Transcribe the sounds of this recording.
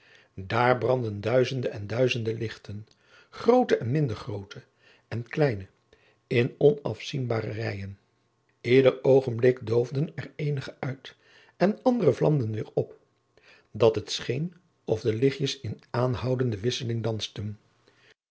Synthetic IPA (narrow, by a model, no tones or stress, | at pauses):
daːɹbrɑndəndœɥzəndəɛndœɥzəndəlɪχtən | χrowtəʔɛnmɪndəɹχrowtʰə | ɛnklɛjnə | ɪnɔnɑ̰fsinbaːrərɛjən | ɪːdəɹowχənblɪkdowvdənɛrejnəχəœɥt | ɛnɑndərəvlɑ̰mdənʋɪːɹɔp | dɑtɦətsχejn | ɔvdəlɪχjəsɪnaːnɦɑwdəndəʋɪsəlɪŋdɑnstən